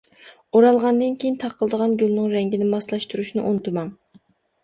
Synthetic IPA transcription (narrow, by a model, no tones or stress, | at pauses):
oɾɑlˠʁɑnd̪ɨnkʲʰejint̪ʰɑqʰːəlˠd̪əʁɑnɡʲylˠnɨŋɾɛŋɡʲinɪmɑslˠɑʃt̪uɾuʃnɨʔont̪ʰumɑŋ